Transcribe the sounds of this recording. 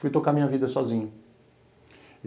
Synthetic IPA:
fujt̪okamĩɲɐvid̪ɐsɔzĩɲɐ

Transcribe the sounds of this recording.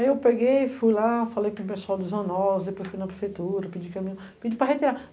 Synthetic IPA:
aiewpeɡejfujlafalejkõpesuawd̪ɪzɐ̃nɔlɐzd̪epojsfujnɐpɾefejt̪uɾɐped͡ʒikmĩɲ | pid͡ʒipɾɐɦet̪iɾa

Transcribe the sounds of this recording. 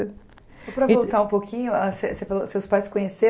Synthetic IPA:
sɔpɾɐvowt̪aũpokʰʲĩɲʊasesefalosewspajskõɲese

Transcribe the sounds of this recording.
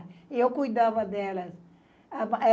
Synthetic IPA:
iewkujd̪avɐd̪ɛlɐs | ɐmɛ

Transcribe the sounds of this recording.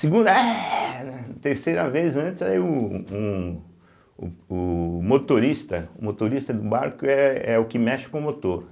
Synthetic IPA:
sɪɡũnd̪ɐɛnɛt̪eɾsejɾɐvezɐ̃nt̪ɪzaiʊũ | ʊmot̪oɾist̪ɐʊmot̪oɾist̪ɐd̪ʊbaɾkʊɛɛʊkɪmɛʃɪ̥kõmot̪oɾ

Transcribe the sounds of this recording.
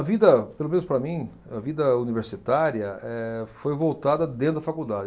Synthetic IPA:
ɐvid̪ɐpelomẽnʊspɾɐmĩ | ɐvid̪ɐuniveɾsit̪aɾjɐɛfojvowt̪ad̪ɐd̪ẽnʊd̪ɐfakud̪ad͡ʒɪ

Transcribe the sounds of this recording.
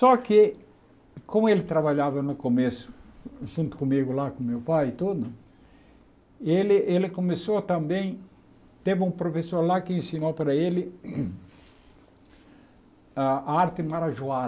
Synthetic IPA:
sɔkɪ | kõmʊelɪt̪ɾaβaʎavɐnʊkomesʊ̥ʒũnt̪ʊ̥kõmiɡʊlakõmewpajɪt̪ud̪ʊ | elɪʔelɪkõmesot̪ɐ̃mbẽj̃ | t̪evɪũpɾofesoɾlakɪẽsinowpaɾɐelɪ | aaaɾt̪ɪmaɾaʒua

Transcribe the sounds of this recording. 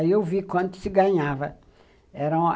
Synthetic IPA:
iewvikwɐ̃nt̪ʊ̥sɪɡɐ̃ɲavɐ | ɛɾɐ̃

